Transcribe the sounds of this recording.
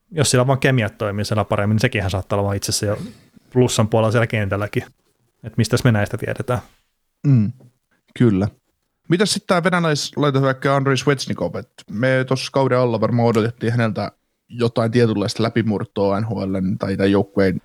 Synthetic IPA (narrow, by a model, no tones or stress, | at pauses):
jossielæʋɑːŋkemiæt̪t̪ːoimiːsielːæpɑɾemːinisekihænsɑːt̪ːɑːlɑʋɑːit̪sesːæjo | plusːɑmpuɑlelɑsielækent̪ælːæki | et̪mist̪æsmenæist̪æt̪iæ̰ɾet̪æː | kylːæ | mit̪æssit̪t̪æːʋenælæislɑit̪ɑt̪ʋæikːæɑndreiswet̪snikopet̪meːt̪oskɑwɾeɑlːɑʋɑrmɑːodot̪et̪ːiːhænelt̪æ | jot̪ɑint̪iet̪ylːɑist̪læpimurt̪ːˑoːænhoelːennit̪ɑit̪æjjoukːuein